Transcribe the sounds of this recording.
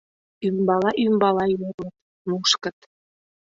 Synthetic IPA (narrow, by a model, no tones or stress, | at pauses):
ymbɑlɑʔymbɑlɑjormət̪ | muʃkə̆t̪